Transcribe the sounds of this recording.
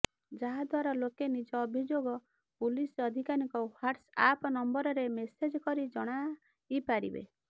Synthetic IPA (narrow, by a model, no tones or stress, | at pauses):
d͡ʒaɦad̪ʱwaɾɔlokenid͡ʒɔːbʱid͡ʒoɡɔ | pulisɔd̪ʱikanikɔwaʈsa̰pnɔmbɔɾɔɾemesed͡ʒkɔɾid͡ʒɔɽ̃a | ipaɾḭbḛ